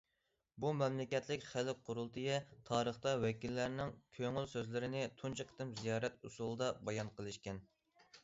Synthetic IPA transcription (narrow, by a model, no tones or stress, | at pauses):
bumɛmlɪkʲɛt̪lɪkʲχælɪqʰʊɾulˠt̪ʰɨjɛt̪ʰɑːɾəχt̪ɑwɛkʲilːæɾnɪŋkʲʰøŋylsøzlɪɾɪnɪt̪ʰunt͡ʃʰɑqʰə̥t̪ɨmzijɑːɾɛt̪usulˠɨd̪ɑbɑjɑnqʰəlˠɨʃkʲɛn